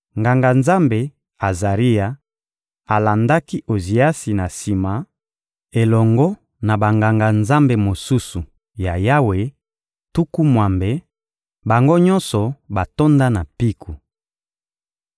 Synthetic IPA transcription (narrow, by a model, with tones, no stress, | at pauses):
ŋɡa˨ŋɡa˨nza˦mbe˨ | a˨za˨ʁi˦ja˨ | a˨la˨nda˦ki˦ʔo˨zi˨a˦si˨na˨si˨ma˨˦ | e˨lɔ˨ŋɡɔ˦ | na˨ba˨ŋɡa˨ŋɡa˨nza˦mbe˨mo˨su˦su˨ | ja˨ja˦we˨ | tu˦ku˦mwa˨mbe˨ | ba˨ŋɡo˦ɲɔ˦nsɔ˨ba˨to˦nda˦na˨pi˦kʰu˨